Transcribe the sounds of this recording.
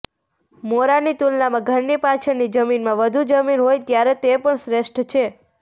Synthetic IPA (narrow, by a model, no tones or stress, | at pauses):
moɾanit̪ulnamãɡʱəɾnipat͡ʃʰəɾnid͡ʒəminmãʋəd̪ʱud͡ʒəminɦojt̪jaɾet̪epəɳsɾeʃʈʰt͡ʃʰe